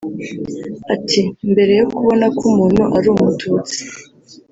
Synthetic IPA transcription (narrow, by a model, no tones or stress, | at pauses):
atʰimbe̞ɾe̞jokuβo̞nakumuːn̤huʔaɾuːmutʰuːt͡si̥